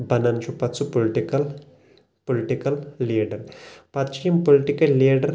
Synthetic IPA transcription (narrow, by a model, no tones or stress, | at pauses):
bɐnɐnt͡ʃʰupɐt̪t͡sʰupolʈikɐl | poliʈikɐlːiːɖɐɾpɐt̪t͡ʃʰiimpoliʈikɐlːiːɖɐɾ